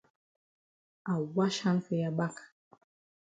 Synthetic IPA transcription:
a˨wa˦ʃa˦nfe˦ja˨ɓa˦k

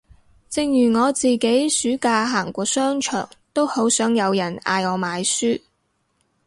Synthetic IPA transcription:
t͡sɪ˧ŋjyː˨˩ŋɔː˨˧t͡siː˨ke˨˥jsyː˨˥kaː˧ɦaː˨˩ŋkʷɔː˧sœː˥ŋt͡ʃʰœ̰ː˨˩ŋt̪o˥who˨˥wsœː˨˥ŋjɐ˨˧wjɐ˨˩na̰ː˧jɔː˨˧maː˨˧jsyː˥

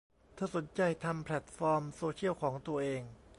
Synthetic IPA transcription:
t̪ʰɯː˧˩so˩˦nt͡ɕa˧jt̪ʰa˧mpʰlɛ˨˩t̪̚fɔː˧msoː˧t͡ɕʰi˥˩əwkʰɔː˩˦ŋt̪u˧ɐʔeː˧ŋ

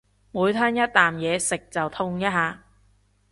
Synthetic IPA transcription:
muː˨˧jt̪ʰaː˥njɐ˥t̚t̪aː˨mjɛː˨˧sɪ˨k̚t͡sɐ˨wt̪ʰʊ˥ŋjaː˥ɦaː˨˧

